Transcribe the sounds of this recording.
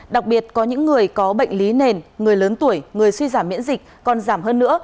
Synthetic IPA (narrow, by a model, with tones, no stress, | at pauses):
ɗa˨˩k̚ɓi˨˩ət̚kɔ˨˦ɲɨ̰˧˥ŋːɨ˨˩əjkɔ˨˦ɓə̰˧˨jŋ̟li˨˦ne˨˩nŋɨ˨˩əjləː˨˦nt̪u˧˩əjŋɨ˨˩əjswi˧zaː˧˩mːḭ˧˥ənzï˨˩k̚kɔ˨˩nzaː˧˩mɦəː˧nːɨ̰˧˥ə